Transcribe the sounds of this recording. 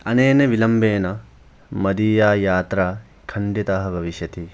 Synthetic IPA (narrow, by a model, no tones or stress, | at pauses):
ɐneːneʋilɐmbeːnɐ | mɐd̪iːjaːjaːt̪ɾaː | kʰɐɳɖit̪ɐɦɐbʱɐʋiʃjɐt̪i